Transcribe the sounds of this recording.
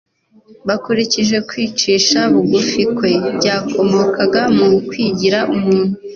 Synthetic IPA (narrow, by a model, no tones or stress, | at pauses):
βakuɾiciʒe̞kwiːt͡ʃiːʃaβuɡufikwe̞bɟaːkʰo̞mo̞ːkaɡamukwiːɟiɾaʔumŋuːn̥u